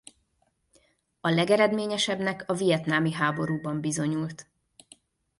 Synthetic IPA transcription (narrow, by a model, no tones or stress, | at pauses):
ɒlɛɡɛɾɛd̪meːɲɛʃɛbnɛkɒvijɛt̪naːmiɦaːbo̞ɾuːbɒmbizo̞ɲult̪